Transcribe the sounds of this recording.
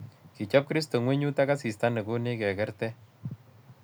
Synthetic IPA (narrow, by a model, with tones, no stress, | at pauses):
ki˨t͡ʃɔ˦p̚kɾi˦sto˨ŋwe˦ɲu˦ta˦ka˦si˨sta˦ne˨ku˦ne˦kɛ˨kɛ˦ɾtɛ˦